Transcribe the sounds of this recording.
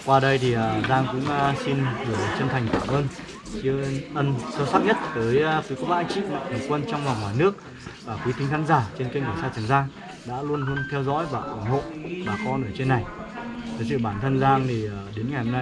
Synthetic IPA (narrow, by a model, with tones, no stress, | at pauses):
kwaː˧ɗə˧jt̪ʰi˨˩˨zaː˧ŋkʊ̰˧˥ŋ͡msi˧nvɗə˨˩t͡ɕə˧nt̪ʰa˨˩jŋ̟kaː˧˩mʔəː˧n | t͡ɕi˨˦əʔə˧nsə˧wsa˦˥k̚ɲə˦˥t̚vəː˨˦jkwjkɔ˨˦ɓa̰ː˧˨ʔa˧ŋt͡ɕḭ˧˨ma̰˧˨ŋt̪ʰə˨˩kwə˧nt͡ɕɔ˧ŋ͡mva˨˩wŋ͡mŋaː˨˩jnɨ˦˥ək̚ | vaː˨˩kwi˨˦t̪i˨˦ŋ̟xaː˨˦nzaː˧˩t͡ɕe˧nki˧ŋkə˨˩saː˧t͡ɕ̪ʰa˨˩ŋzaː˧ŋ | ɗa̰ː˧˥lu˧ənlu˧ənt̪ʰɛ˧wzɔ̰˧˥jvaː˨˩ʔa˨˧˩nho̰˧˨vaː˨˩kɔ˨˦nɨ˧˩ət͡ɕe˧nːa˨˩j | t̪ʰə˨˩s̬ɨ̰˧˨ɓaː˧˩nt̪ʰə˧nzaː˧ŋt̪ʰi˨˩ə˨˩ɗe˨˦nŋa˨˩jho˧mna˧j